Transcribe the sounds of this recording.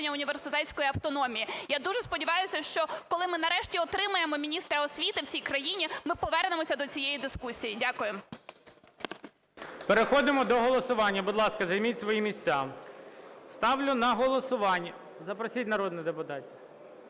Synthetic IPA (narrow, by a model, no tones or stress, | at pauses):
nʲːɐʊnʲiʋersɪt̪ɛtt͡sʲkɔjiɐwt̪ɔnɔmʲijijad̪uʒɛspɔdʲɪʋɑjʊsʲɐʃt͡ʃɔkɔlˠɪmɪnɐɾɛʃtʲiɔt̪ɾɪmɐjemɔmʲinʲist̪ɾɐɔsʲʋʲit̪ɪwt͡sʲijkɾɐjinʲimɪpɔʋɛrnemɔsʲɐd̪ɔt͡sʲijejid̪ɪskusʲijidʲakʊjem | peɾexɔd̪ɪmɔd̪ɔɦɔlˠɔsʊʋɑnʲːɐbʊd̪lˠɑskɐzɐjmʲitʲsʋɔjimʲisʲt͡sʲa | st̪ɑʋlʲʊnɐɦɔlˠɔsʊʋɑnʲːɐ | zɐpɾɔsʲitʲnɐɾɔd̪nɪd̪epʊt̪ɑtʲɪ